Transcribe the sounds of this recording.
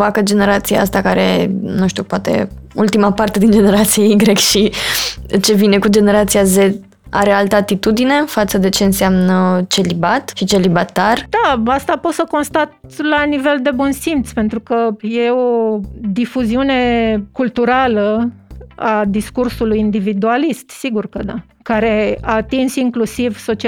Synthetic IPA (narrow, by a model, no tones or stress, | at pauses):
vakəd͡ʒe̞ne̞ɾat̪siaast̪akaɾenuʃt̪iṵpoat̪e̞̰ | ult̪imapart̪e̞d̪ind͡ʒe̞ne̞ɾat̪sijeiɡɾe̞kʃi | t͡ʃe̞vine̞kud͡ʒe̞ne̞ɾat̪siaze̞ | a̰ɾealt̪əat̪it̪ud̪ine̞fat̪səd̪e̞t͡ʃe̞ɨnseamnət͡ʃe̞libat̪ʃit͡ʃe̞libat̪ard̪̥aast̪apo̞t̪səko̞nst̪at̪̚lanive̞ld̪e̞bunsimt̪sʲpe̞nt̪ɾukəje̞o̞d̪ifuziune̞kult̪uɾalə | ad̪iskursulujind̪ivid̪ualist̪siɡurkəd̪a | kaɾe̞aːt̪insiŋklusivso̞t͡ʃi